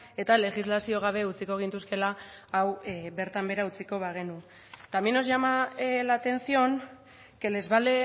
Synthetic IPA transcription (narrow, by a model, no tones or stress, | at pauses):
e̞t̪ale̞xizlasio̞ɣ̞aβ̞e̞ut͡siko̞ɣ̞int̪uske̞laːwβe̞ɾt̪ambe̞ɾaut͡siko̞βaɣ̞e̞nu | t̪amino̞zʝamalat̪e̞nsio̞n | ke̞le̞zβale